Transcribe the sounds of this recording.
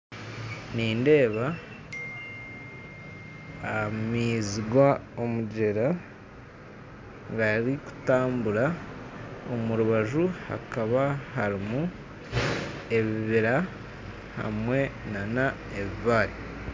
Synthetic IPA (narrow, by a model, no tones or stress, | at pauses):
niːnde̞ːβa | miːziɡwaomuɟe̞ɾa | ɡaɾiku̥taːmbuɾa | omuɾuβaʒuha̰kaβahaɾimu | e̞βiβiɾa | ha̰mwe̞nana | eβiβaːɾi